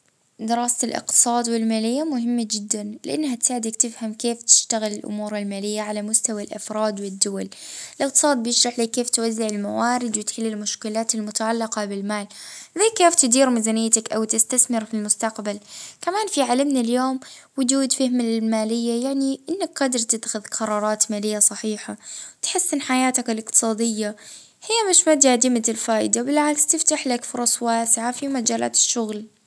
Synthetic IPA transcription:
d̪ɪɾɑːsalʔɪ̰q̚t̪ɨ̥sˤɑːd̪wɪlmaːlɪjːamʊhɪmːad͡ʒɪd̪ːanlɪʔanːhat̪saːʕɪd̪akt̪ɪfhamkeːft̪ɪ̥ʃt̪aɣɪlɪlʔʊ̰muːɾˤɪlmaːlɪjːaʕalamʊst̪awalʔɑfɾˤɑːd̪wɪd̪ːʊwalɪlʔɪq̚t̪ɨsˤɑːd̪̚bɪjɪʃɾˤɑħliːkeːft̪wazːɪʕɪlmawaːɾɪd̪wɪt̪ħɪlːɪlmʊʃkɪlaːt̪ɪlmʊt̪aʕalːɪqɑbɪlmaːlðaːkeːft̪ɪd̪iːɾmɪzanɪjːat̪akʔawt̪ɪst̪aθmɪɾfilmʊst̪aqbalkamaːnfiʕalɪmnaljoːmwʊd͡ʒuːd̪fahmalɪlmaːlɪjːajaʕniʔɪnːakqɑd̪ɪɾˤt̪ɪt̪ːxʊðqʰɑɾˤɑːɾˤɑːt̪maːlɪjːasˤɑħiːħawt̪ħɪsːʔɪnħajaːt̪akalɪqt̪ɨ̥sˤɑːd̪ɪjːa | hɪjːamɪʃmad̪jad̪ɪmalfaːʔɪd̪abɪlʕaːkst̪ɪft̪aħlakfʊɾˤɑsˤwaːsɪʕafimad͡ʒaːla̰ːt̪ɪ̥ʃːʊɣl

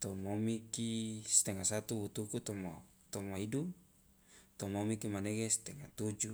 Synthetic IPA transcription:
t̪ɔmomikist̪eŋasat̪uwut̪ukut̪ɔmo | t̪ɔmaidu | t̪ɔmomikimaneɡest̪eŋat̪ud͡ʒu

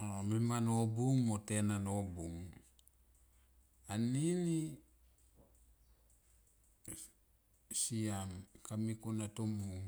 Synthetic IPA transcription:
omimanobuŋmotenanobuŋ | anili | siamkamikonatomuŋ

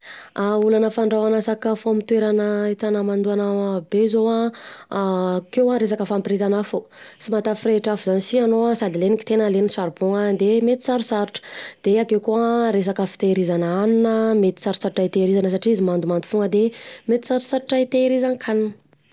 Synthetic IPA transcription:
aulanəfaɳɖ͡ʐawanasakafoamit̪weɾanəit̪anəmand̪uanaabezowa | kewaɾes̬akəfampiɾet̪anafo | simat̪afiɾeʈ͡ʂafuzanisianoasad̪ileniki̥t̪enəlenisaɾbuŋad̪emet̪i̥saɾusaɾuʈ͡ʂə̥d̪̥eakewkuaɾes̬akəfi̥t̪eɾizanaaninəmet̪i̥saɾusaɾuʈ͡ʂait̪eɾizanəs̬aʈ͡ʂiizimand̪umand̪ufuŋəd̪emet̪i̥saɾu̥saɾuʈ͡ʂait̪eɾizankʰaninə̥

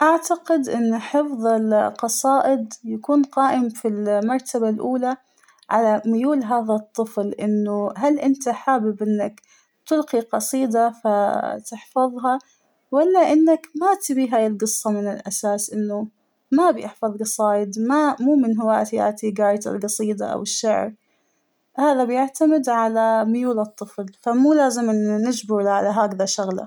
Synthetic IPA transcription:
ʔaʕt̪aqɪd̪ʔɪnːʊħɪfðˤɪlqɑsˤɑːʔɪd̪jakuːnqɑːʔɪmfilmɑɾˤt̪ʰabalʔuːla | ʕalamʊjuːlɦaːðat̪ˤːɨflʔɪnːʊɦalʔɪnt̪aħaːbɪbʔɪnːak | t̪ɪlqiqɑsˤiːd̪afat̪ɪħfɑðˤɦɑ | walːaʔɪnːakmat̪ɪbiːɦaːjɪlɡɨsˤːɑmɪnɪlʔasaːsʔɪnːʊ | mabjɪħfɑðˤɡɑsˤɑːjɪd̪mamuːmɪnɦʊwaːt̪ja̰ʔt̪iɡaːjt̪ɪ̰lɡɑsˤiːd̪ɑ̰ʔa̰wɪʃːaʕɾ | haːðabjɪʕt̪amɪd̪ʕalamɪjuːlɨt̪ˤːɨflfamuːlaːzɪmːɪd͡ʒbɪɾlʕalaɦaːkðaʃaɣla̰

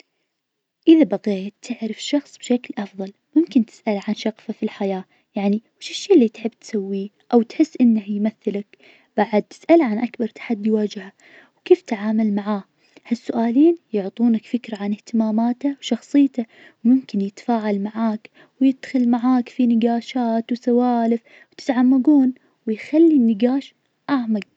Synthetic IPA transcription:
ʔɪðabaɣeːt̪ːɪʕɾɑfʃɑxsˤb̥ʃaklʔɑfðˤɑlmʊmkɪnt̪ɪ̥sʔalʕanʃɑqfafilħajaː | jaʕniwɪʃɪʃːiːʔlːit̪ħɪbːt̪sawːiː | ʔawt̪ħɪsːʔɪnːahjmaθːɪlak | b̥aʕad̪̚t̪ɪ̥sʔalʕanʔakbɑɾˤt̪ḁħad̪ːijwaːd͡ʒɪha | wkeːft̪aʕaːmalmaʕaː | hasːʊʔaːliːnjʊʕt̪ˤuːnakfɪkɾaʕanɪht̪ɪmaːmaːt̪awʃɑxsˤɨjːt̪a | wmʊmkɪnjɪt̪faːʕalmaʕaːk | wjɪd̪ːxɪlmaʕaːkfinɪɡaːʃaːt̪wsawaːlɪf | wt̪ɪ̥t̪ʕamːaɡuːn | wɪjxalːinːɪɡaːʃ | ʔaʕmaɡ̚

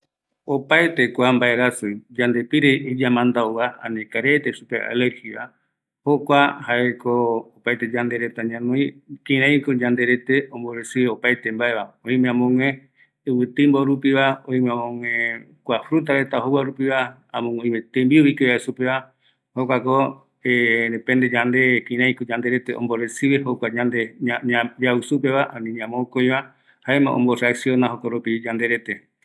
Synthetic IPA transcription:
opaet̪e̞kʷambaeɾasujd͡ʒand̪epiɾeid͡ʒamãnd̪aoβaã̰nẽkaɾet̪eʃupea̰leɾhiβa | hokʷahaekoː | pajt̪ed͡ʒand̪eɾet̪aɲãnõj̃kĩɾãĩkod͡ʒãnd̪eɾet̪eõmboɾesɨopajt̪e̞mbaeβaõĩmẽãmõŋẽ | ɨwɨt̪ɨmboɾupiβaõĩmẽamõŋẽ | kʷafɾut̪̬aɾet̪aoɦowaɾupiβa | ãmõŋẽĩmẽt̪ẽmbiuβikeβaesupeβa | hokʷako | eɾẽpẽnd̪ed͡ʒand̪e̞kĩɾãj̃kod͡ʒãnd̪eɾet̪eõ̰mboɾesiβehokʷaɲãnd̪eɲad͡ʒausup̬eβaʔãnĩɲãmokoj̃βa | haemã̰ʔõ̰mboɾaksionaɦokoɾupid͡ʒãnd̪eɾet̪e

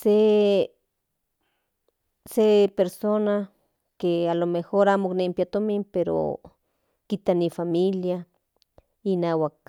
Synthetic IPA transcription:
se | sepeɾsona | kealomexoɾamoknempjat̪omimpeɾo̰ | kit̪anifamilja | inawak̚

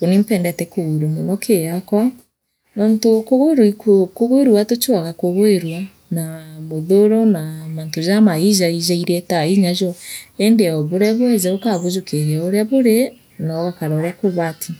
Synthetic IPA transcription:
konim̩pɛːndɛtɛkoɣuɾumonɔkʰejakwa | nɔːntokoɣoeɾikokoɣoeɾwatot͡ʃwaɣakoɣoeɾwa | namoðoɾɔnamaːntozamaizaizaiɾɛtaiɲazɔɛndeɔβoɾɛβwɛzɛokaβozokeɾɛoɾeaβoɾe | naɔɣakaɾaoɾakoβatʰi

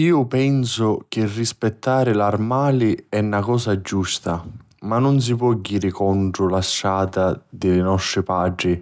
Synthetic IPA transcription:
iːʊpɛnsʊk̟ɪrːispɛt̪ːaːɾɪlarmaːliɛnːakɔːsad͡ʒːust̪a | manːʊns̬ipwɔɟːiːɾɪkɔɳʈɾʊlaʃːaːt̪ad̪ɪlɪnɔst̪ɾɪpaːɖɾi

